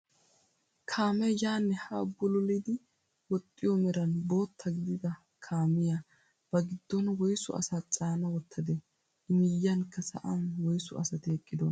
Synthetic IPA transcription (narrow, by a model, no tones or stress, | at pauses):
kʰaːmɛjaːnːɛhabːʊlɔlɪd̪ɪ | wɔt̪ʼːɪjɔmɛɾɐnboːt̪ʰːɐɡɪd̪ɪd̪ɐ | kʰaːmɪja | b̥ɐɡɪd̪̥ːɔnwɔjsʊ̰ɐ̰sɐt͡sʼaːnɐwɔt̪ʰːɐd̪ɛ | ɪmɪjːɐnkːɐsɐ̰ʔanwɔjsʊ̰ɐsɐt̪ɪɛkʼːɪd̪ɔn